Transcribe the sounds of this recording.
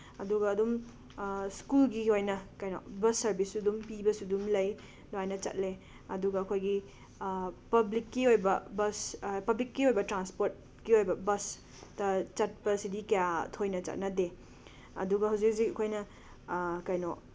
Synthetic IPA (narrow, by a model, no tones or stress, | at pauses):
ɐduɡɐːdum | skulɡiojnɐkɐjnɔ̰bɐsːɐɾbʱisːudumpibɐsudumlɐj | doajnɐt͡ʃɐ̰t̚le | ɐduɡɐːkʰojɡi | pɐblikːiojbɐbɐspɐblikːiojbɐtɾanspoɾt̚ | kiojbɐbɐs | tɐt͡ʃɐt̚pɐsidikɐjatʰojnɐt͡ʃɐ̰t̚nɐde | ɐ̰duɡɐɦawzik̚siɐkʰojnɐ | kɐjno